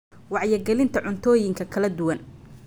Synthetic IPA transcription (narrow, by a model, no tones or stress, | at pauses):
wɑʕjɐɡɛlɪnt̪ʰɐʕʊnt̪ʰɔːjɪŋkʰɐkʰɐlɐd̪ʊwɐn